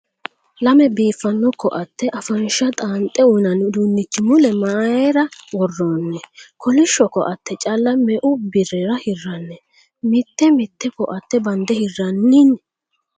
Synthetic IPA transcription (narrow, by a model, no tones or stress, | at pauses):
lɐmɛbiːfːɐnːɔkːɔʔɐt̪ːɛʔɐfɐnʃɐt̪ʼaːnt̪ʼːɛʊnɐnd̪unːɪt͡ʃːɪmʊlɛmaːjɛɾɐwɔrːoːnːɛkʰɔlɪʃɔkɔʔɐt̪ːɛt͡ʃʼɐlːɐmɛʔʊbɪrɛɾɐhɪrːɐnːɛ | mɪt̪ːɛmɪt̪ːɛkɔʔɐt̪ːɛbɐnd̪ɛhɪrːɐnːɪnɛ